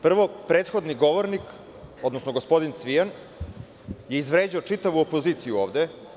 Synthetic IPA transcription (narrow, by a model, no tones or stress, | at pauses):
pr̩ʋo̞pɾeːt̪xo̞d̪niɡo̞ʋoɾnik | o̞d̪nosnoɡo̞spo̞d̪int̪sʋian | jeizʋɾeːd͡ʑiot͡ʂit̪aʋuopo̞ziːt̪sijuoːʋd̪e